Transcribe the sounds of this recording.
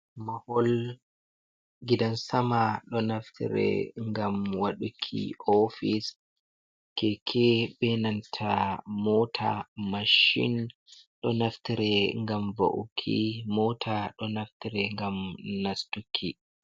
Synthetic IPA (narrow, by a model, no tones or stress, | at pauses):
mahɔl | ɡidansamaɗɔnaftʰḭɾɛ̰ŋɡamwaɗukʰːḭɔfis | kɛkʰɛbɛnantʰamɔtʰa̰maʃḭn | ɗɔnaftiɾɛŋɡamvo̰ʔukʰːimɔtʰaɗɔnaftiɾɛŋɡamnastukʰːi